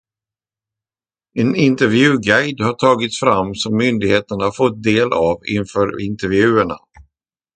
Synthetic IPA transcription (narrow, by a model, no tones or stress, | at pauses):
ɛnɪnt̪ɛɾvjʉ̟ːɡajd̪haʈʰɑːɡɪt̪sfɾamːsɔmːʏnd̪ɪɡheːt̪əɳhafɔt̪̚d̪eːlʔavɪ̰nfœːɾɪnt̪ɛɾvjʉ̟ːəɳa̰